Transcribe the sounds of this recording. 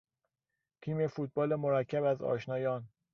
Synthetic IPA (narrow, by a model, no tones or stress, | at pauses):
t̪ʰiːme̞fuːt̪̚bɒːlemoɾæcʰːæbæzɒ̰ːʃnɒːjɒːn